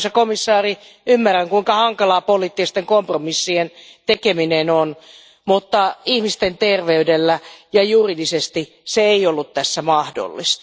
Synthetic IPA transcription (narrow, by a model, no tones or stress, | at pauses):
sɑkomisːɑːri | ymːærːæŋkuiŋkɑhɑŋkɑlɑːpoliːt̪ːist̪eŋkompromisːient̪ekeminenon | mut̪ːɑihmist̪ent̪erʋeydelːæjɑjuridisest̪i | seeiolːut̪t̪æsːæmɑhdo̰lːḭst̪